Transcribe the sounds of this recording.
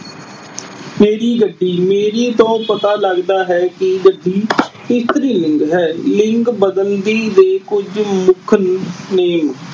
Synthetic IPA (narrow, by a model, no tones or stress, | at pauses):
meːɾiːɡəɖːiːmeːɾiːt̪õːpət̪aːləɡd̪aːɦɛːkɪɡəɖːiː | ɪst̪ɾiːlɪ̃ŋkɦɛːlɪŋkbəd̪ənd̪iːd̪eːkʊd͡ʒmʊkʰneːm